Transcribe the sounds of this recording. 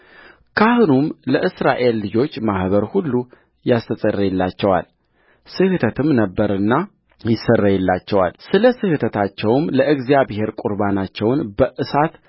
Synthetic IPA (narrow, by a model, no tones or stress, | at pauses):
kʰahɨnumləʔɨsɾa̰ʔe̞lːɨd͡ʒo̞t͡ʃːmahβəɾhulːu | jast̪ʰət̪ʼərːəjɛlːat͡ʃːɛwa̰l | sɨhɨt̪ʰət̪ʰɨmnəbːəɾɨnːa | jɪsːərːəjɛlːat͡ʃːɛwa̰lsɨləsɨhɨt̪ʰət̪ʰat͡ʃːɛwmləʔɨɡzijaβhe̞ɾkʼuɾbanat͡ʃːɛwnbəʔɨsat̪